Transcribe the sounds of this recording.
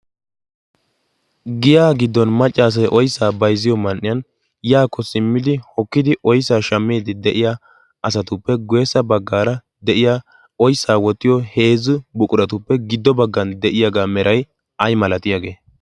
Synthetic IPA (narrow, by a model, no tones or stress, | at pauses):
ɡɪjaːɡɪd̪ːɔnmɐt͡ʃʼːaːs̬ɐjʔɔjsːaːbɐjzɪjɔmɐnʔːɪjɐn | jaːkːɔsɪmːɪd̪ɪhɔkːɪd̪ɪʔɔjsːaːʃɐmːeːd̪ɪd̪ɛʔɪja | ɐsɐt̪ʊpːɛɡɔjɛsːɐbɐɡːaːɾɐ | d̪ɛʔɪjaː | ɔjsːaːwɔt̪ːɪjɔhe̞ːzʊbʊkʼʊɾɐt̪ʊpːɛɡɪd̪ːɔbɐɡːɐnd̪ɛʔɪjaɡaːmɛɾʔɐj | ɐjmɐlɐt̪ɪjaːɡe̞ː